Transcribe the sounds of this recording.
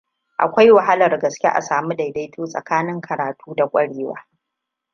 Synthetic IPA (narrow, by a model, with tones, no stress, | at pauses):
ʔa̰˨kʷa˦jwa˨ɦa˦lɐ˨rɡɐ˨skʲḛ˦ʔa̰˨saː˨mu˦da˨jda˦jtʰoː˦sʼɐ̰˨kaː˦nɪ˦ŋkʰɐ˨ɾaː˨tʰuː˦da˨kʷʼɐ˦ɽeː˦wa̰ː˦